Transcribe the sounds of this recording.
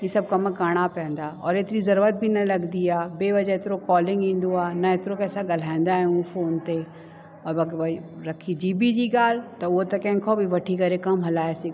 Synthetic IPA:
jisɐb̚kɐməkaːɽ̃apɛ̃ːnd̪aɔ̰ːɾet̪ɾizɐɾuət̪̚bʱinɐlɐɡd̪ijabeːʋɐd͡ʒaɪt̪ɾokɔːlɪ̃ŋɡĩːnd̪uaːnɐet̪ɾokɛːsaɡɐl̤ãːɪ̃nd̪aɦɛũfʰoːnt̪e | ɔːɾbɐɾɐkʰid͡ʒiːbʱid͡ʒiɡaːlt̪ɐʋot̪ɐkɛ̃ŋkʰobʱiʋɐʈʰikɐɾekɐmɦɐlaːesi

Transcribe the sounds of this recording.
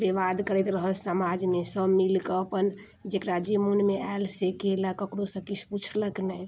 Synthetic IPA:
beʋad̪kəɾɛt̪ɾəɦəlsamad͡ʒmesəbmilkəːpən | d͡ʒekɾad͡ʒimunmeaelsekeləkəkɽosə̃kit͡ʃʰput͡ʃʰləknəj

